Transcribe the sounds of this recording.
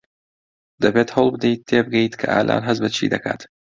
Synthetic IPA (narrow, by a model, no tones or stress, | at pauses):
d̪̥ɐbeːt̪hoːlˠbɨd̪ejt̪ʰːeːbɨɡɐjit̪kʰɐʔaːlʔa̰ːnɦɐzbɐt͡ʃʰḭːd̪ɐka̰ːt̪